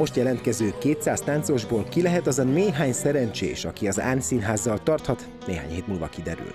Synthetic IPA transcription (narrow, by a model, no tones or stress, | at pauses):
mo̞ʃt̪jɛlɛnt̪̚kɛzøːkeːt̪saːst̪aːnt̪so̞ʒboːlkilɛɦɛt̪ɒzɒmeːɦaːɲsɛɾɛnt͡ʃḛːʃɒ̰kiɒza̰ːnsinɦaːzːɒlt̪ɒrt̪hɒt̪ | neːɦa̰ːɲheːt̪muːlvɒ̰kid̪ɛɾy̰l